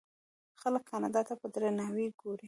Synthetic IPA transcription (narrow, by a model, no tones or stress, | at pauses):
xaləkʰːɑnɑd̪ɑt̪apəd̪ɾenɑwiɡoɾi